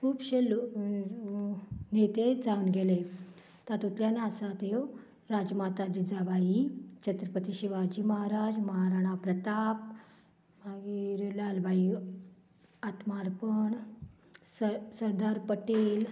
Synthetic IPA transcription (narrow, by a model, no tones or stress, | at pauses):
kʰuːbɕelo | net̪ed͡zaunɡele | t̪at̪ut̪ljanaəsat̪e | ɾad͡zmat̪ad͡ʑid͡zabʱait͡ɕət̪ɾəpət̪iɕiʋad͡ʑiməɦaɾad͡ʑməɦaɾaɽ̃apɾət̪ap | maɡiɾlalbʱai | at̪maɾpəɳ | ssəɾd̪aɾpəʈel